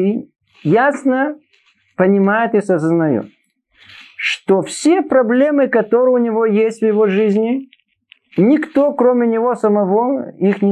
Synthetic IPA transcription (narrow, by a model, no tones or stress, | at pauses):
jasnə | pənʲɪmajʊt̪ɨsəzəznɐjo̰t̪̚ | ʂt̪ofsʲepɾɐblʲemɨkɐt̪o̞ɾɨjʊnʲɪvojesʲtʲvjɪvoʐɨzʲnʲɪ | nʲɪkt̪okɾomʲɪnʲɪvo̞səmɐvoixnʲɪ